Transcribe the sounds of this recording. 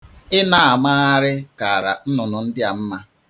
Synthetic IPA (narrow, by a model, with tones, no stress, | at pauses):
ɪ˦na˨a˨ma˦a˦ɾɪ˦ka˨ɾa̰˨n̩˦nʊ˨nʊ˨n̩˦dɪ˦a˨m̩˦ma˦